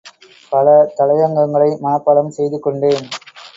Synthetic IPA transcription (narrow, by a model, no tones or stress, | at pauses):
pɐlɐt̪ɐlɐjɐŋɡɐŋɡɐɭɐɪmɐnɐpːɐlɐmsɛjðɯkːɔɳɖeːn